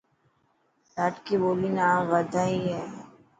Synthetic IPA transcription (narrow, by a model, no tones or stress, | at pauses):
laʈkiboːlinaːmʋɐd̪ʱaɦiɦɛː